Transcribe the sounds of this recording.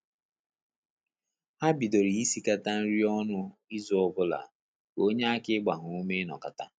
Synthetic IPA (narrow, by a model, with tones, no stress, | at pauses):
ha˦bi˨do˨ɾi˨i˦si˦ka˦ta˦n̩˦ɾi˦ɔ˦nʊ˦i˦zu˨˦ɔ˨bʊ˦la̰˨ | ko˦ɲe˦a˦kɪ˦ɡ͡ba˨ɦʊ˨u˦me˦nɔ̰˨ka˨ta˦